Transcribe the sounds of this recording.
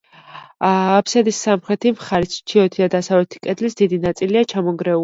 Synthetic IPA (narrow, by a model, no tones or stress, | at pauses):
pʰsad̪isːamχɾɛt̪ʰimχaɾist͡ʃʰiɔt̪ʰid̪ad̪asavlɛt̪ʰi̥kʼɛd̪lisd̪̥id̪inat̪sʼiliat͡ʃʰamɔŋɡɾɛu